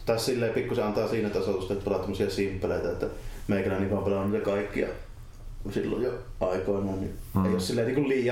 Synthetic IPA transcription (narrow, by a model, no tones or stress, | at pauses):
t̪æssilːeˑːpikːuseɑnt̪ɑːsiːnæt̪ɑsot̪ust̪ɑt̪pɑlɑt̪omːˑosiɑsimpːæleˑit̪æet̪ːæmeˑikænænːiːʋɑːmpelɑnuniːt̪ɑkɑˑikːiɑ̰ | silːo̰jjo | ʔɑˑikoˑenoˑːnnieˑijossilːeːˑniːŋkulliːjˑɑ